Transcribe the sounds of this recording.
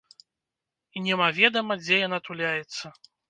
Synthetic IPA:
inʲɛmavʲɛd̪ɐmɐd͡zʲɛjanat̪ulʲajɛt̪sːɐ

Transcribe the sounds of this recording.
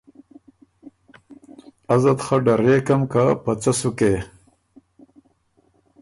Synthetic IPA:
azɐt̪xaɖaɾeːkamkapat͡sasuke

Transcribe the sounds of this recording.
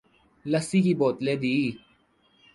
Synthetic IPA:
ləsiːkiːboːt̪leːd̪iː

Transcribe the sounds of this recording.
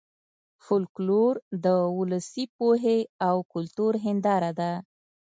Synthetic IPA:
fʊlkloɾd̪əʊləsipoɦeawkʊlt̪uɾɦɪnd̪ɑɾad̪a

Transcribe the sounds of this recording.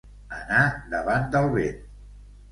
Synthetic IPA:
ənad̪əβand̪əlˠβen

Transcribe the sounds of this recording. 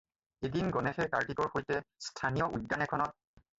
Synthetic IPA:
edinɡɔnɛxɛkaɹtikɔɹxojtɛstʰanijɔʔudːanɛkʰɔnɔt̚

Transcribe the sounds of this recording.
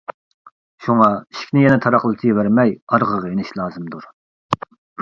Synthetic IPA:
ʃuŋɑi̥ʃkʲnɪjɛnɛt̪ʰɑɾɑχlˠɨt̪ʰɨvæɾmɛjɑɾʁəʁenɪʃlˠɑːzɨmd̪uɾ

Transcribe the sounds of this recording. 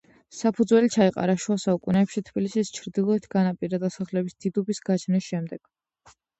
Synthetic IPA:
sapʰud̪zwɛlit͡ʃʰaiqʼa̰ɾaʃuasaukʼunɛːpʃit̪ʰbilisist͡ʃʰɾd̪ilˠɔɛt̪ʰɡanapʼiɾad̪asaχlɛbisd̪̥id̪ubisɡat͡ʃʰnisʃɛmd̪ɛɡ̥

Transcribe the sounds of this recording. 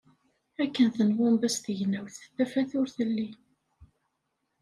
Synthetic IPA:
ækːənθənwæmbæst̪ʝnːæwθəθːæfæθʊɾθəlːi

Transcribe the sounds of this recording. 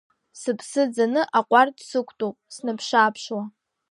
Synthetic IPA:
sɨpʰsɨd͡zanɨʔaqʷʼardsɨkʷʰʼtʼupʼsnɨpʰʂaːpʰʂwa

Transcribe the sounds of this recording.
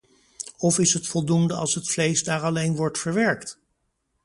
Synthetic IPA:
ɔfɪsɦətfɔlˠdundəɑ̰lˠsɦətflejzdaːɹɑlejnʋɔɹtfəɹʋɛɹkt

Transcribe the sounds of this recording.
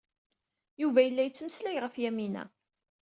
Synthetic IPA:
juvæjəlːæjət͡sːməslæjʁəfjæminæ̰

